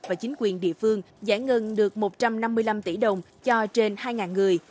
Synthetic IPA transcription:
vaː˨˩t͡ɕi˨˦ŋ̟kwi˨˩ənɗḭ˧˨əfɨ˧əŋ | za̰ː˧˩ŋːə˧nɗɨ˨˩ək̚mo˨˩t̚t͡ɕa˧mna˧mːɨ˧əjla˧mt̪i˧˩ɗə˨˩wŋ͡m | t͡ɕɔ˧t͡ɕe˧nhaː˧jŋaː˨˩nŋɨ˨˩əj

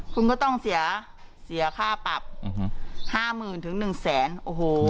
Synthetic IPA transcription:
kʰu˧nk̬ɔ˥˩t̪ɔ˥˩ŋsi˨˩˦ɐ | si˩˦ɐkʰaː˥˩pa˨˩p̚ | haː˥˩mɯː˨˩nt̪ʰɯ˩˦ŋnɯ˨˩ŋsɛː˩˦nʔoː˨˩hoː˨˩

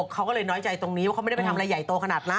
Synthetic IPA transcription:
kʰːa˦˥wkɔː˥˩lɤː˧jnɔː˦˥jt͡ɕa˧jt̪o˧ŋni˦wa˥˩ka˦˥m˥˩˥pjt̪ʰa˧ʔa˧ja˨˩jt̪oː˧kʰa˧naː˨˩t̪̚la˦˥

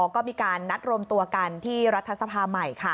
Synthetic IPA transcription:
ɔː˨˦kɔː˥˩miː˧kaː˧nːa˦˥t̪̚ɾo˧mt̪u˧ɐka˧nt̪ʰiː˥˩ɾa˦˥t̪ʰːa˧sa˧pʰaː˧ma˨˩jkʰa˦˥˩

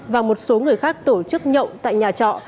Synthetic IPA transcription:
vaː˨˩mo˨˩t̚so˨˦ŋɨ˨˩əjxaː˦˥k̚t̪o˧˩t͡ɕɨ˦˥k̚ɲə̰˧˨wŋ͡mt̪a̰ː˧˨jɲaː˨˩t͡ɕɔ̰˧˨

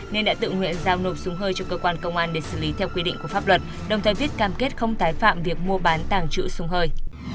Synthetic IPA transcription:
ne˧nɗa̰ː˧˥t̪ɨ̰˧˨ŋwḭ˧˨ənzaː˧wno˨˩p̚sʊ˨˦ŋ͡mɦəː˧jt͡ɕɔ˧kəː˧kwaː˧nkə˧wŋ͡mʔaː˧nɗe˧˩sɨ̰˧˩li˨˦t̪ʰɛ˧wkwi˧ɗḭ˧ŋku˧˩əfa˦˥p̚lwə˨˩t̚ | ɗə˨˩wŋ͡mt̪ʰəː˨˩vi˦˥ət̚kaː˨˩mke˦˥t̚xə˧wŋ͡mt̪aː˨˦jfa̰ː˧˨mvi˨˩ək̚mu˧əɓaː˨˦nt̪aː˨˩ŋt͡ɕɨ̰˧˥sʊ˧ŋ͡mɦəː˧j

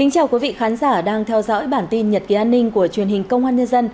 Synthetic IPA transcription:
kï˨˦ŋt͡ɕaː˧wkwi˨˦vḭ˧˨xaː˨˦nzaː˧˩ɗaː˧ŋt̪ʰɛ˧wzɔ̰˧˥jɓaː˧˩nt̪i˧nɲə˨˩t̚ki˨˩ʔaː˧nːï˧ŋ̟ku˧˩ət͡ɕwi˨˩ənhï˨˩ŋ̟kə˧wŋ͡mʔaː˧nɲə˧nzə˧n

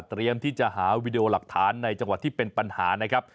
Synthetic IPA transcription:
t̪ːɾi˧əmt̪ʰiː˥˩t͡ɕa˨˩ʔɦaː˩˦wiː˦˥di˧ʔoː˧la˨˩k̚t̪ʰaː˩˦nːa˧jt͡ɕa˧ŋwa˨˩t̪ʰːiː˥˩pe˧npa˧nhaː˩˦na˦˥kʰɾa˦˥p̚

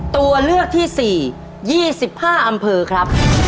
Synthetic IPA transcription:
t̪u˧ɐlɯ˥˩ək̚t̪ʰiː˥˩siː˨˩ | jiː˥˩si˨˩p̚haː˥˩ʔa˧mpʰɤː˧kʰɾa˦˥p̚

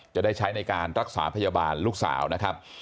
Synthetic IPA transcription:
t͡ɕa˨˩ʔdaː˥˩jt͡ɕʰa˦˥jna˧jkaː˧nɾa˦˥k̚saː˩˦pʰa˧jaː˧baː˧nluː˥˩k̚sa̰ː˩˦wna˦˥kʰa˦˥p̚

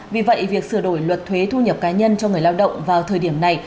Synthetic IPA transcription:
vi˨˩və̰˧˨jvi˨˩ək̚sɨ˧˩əɗo˧˩jlwə˨˩t̚t̪ʰwe˨˦t̪ʰu˧ɲə˨˩p̚kaː˨˦ɲə˧nt͡ɕɔ˧ŋ˨˩əjlaː˧wɗə̰˧˨wŋ͡mvaː˨˩wt̪ʰəː˨˩ɗi˧˩əmna˨˩j

